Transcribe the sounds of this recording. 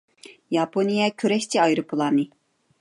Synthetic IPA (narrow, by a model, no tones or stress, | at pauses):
jɑponijɛkʲʰøɾɛʃt̪ʰiɑjɾɨpʰɨlˠɑːnɨ